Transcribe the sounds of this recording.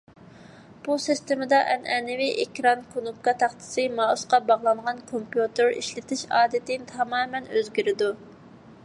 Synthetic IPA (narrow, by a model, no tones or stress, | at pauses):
b̥usist̪ɪmɪd̪ɑʔɛnɛnɪvɪʔekʲɾɑnkʰonup̚kɑt̪ʰɑχt̪ʰɪ̥sɨmɑːusqɑbɑʁlˠɑŋʁɑnkʰompjut̪ɨɾḭʃlɪt̪ʰɪʃɑ̰ːd̪ɪt̪ɪmt̪ʰɑmɑːmɛnøzɡʲiɾɪd̪u